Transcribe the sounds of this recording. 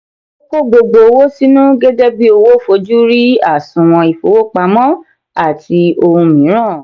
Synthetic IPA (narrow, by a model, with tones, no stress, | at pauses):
o˦ko˦ɡ͡bo˧ɡ͡bo˨˧˦wo˦si˦nũ˦ɡe˦de˦bi˦o˨˧wo˦˨fo˧˦d͡ʒu˦ɾi˦a̰˦˨sũ˧w̃ɔ̃˧i˨fo˨˦wo˦k͡pa˧mɔ̃˦ | a˦˨ti˧o˧ũ˧mĩ˨˦ɾ̃ã˦˨